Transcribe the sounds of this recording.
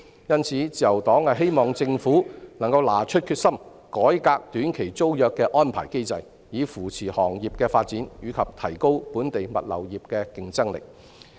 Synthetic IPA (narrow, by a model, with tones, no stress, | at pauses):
jɐ˥nt͡sʰiː˨˥t͡siː˨˩jɐ˨˩wt̪ɔː˨˥ŋhɐ˨jɦe˥jmɔː˨˩ŋt͡sɪ˧ŋfuː˨˥nɐ˨˩ŋkɐ˧wlaː˨˩t͡ʃʰɵ˥t̚kʰyː˧t̚sɐ˥m | kɔː˨˥jkaː˧k̚t̪yː˨˥nkʰe˨˩jt͡so˥wjœː˨˧kːɛː˧ʔɔː˥npʰa̰ː˨˩jke˥jt͡sɐ˨j | jiː˨˧fuː˨˩t͡sʰiː˨˩hɔː˨˩ŋjiː˨p̚kɛː˧faː˧t̚t͡siː˨˥njyː˨˧kʰɐ˨p̚t̪ʰɐ˨˩jko˥wpuː˨˥nt̪e˨jmɐ̰˨t̚lɐ̰˨˩wjiː˨p̚kɛː˧kɪ˧ŋt͡sɐ˥ŋlɪ̰˨k̚